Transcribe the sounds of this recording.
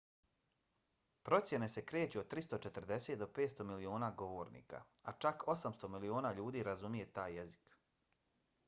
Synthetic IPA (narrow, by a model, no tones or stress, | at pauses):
pɾo̞t̪sje̞ne̞se̞kɾeːt͡ɕuod̪̚t̪ɾist̪ot͡ʃet̪r̩d̪e̞seːt̪̚d̪o̞peːt̪st̪o̞milio̞ːnaːɡo̞ʋo̞ːɾnḭːka̰at͡ʃakʰo̞samst̪o̞milio̞ːnaːʎuːd̪iːɾazumije̞t̪aːjːezi̥k